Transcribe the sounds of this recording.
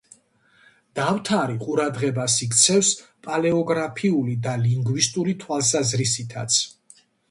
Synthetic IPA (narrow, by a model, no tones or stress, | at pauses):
d̪̥aft̪ʰaɾiqʼuɾad̪ʁɛbasikʰt̪sʰɛvspʼalɛɔɡɾapʰiulid̪aliŋɡwist̪ʼuɾit̪ʰwalˠs̬azɾisit̪ʰa̰t̪sʰ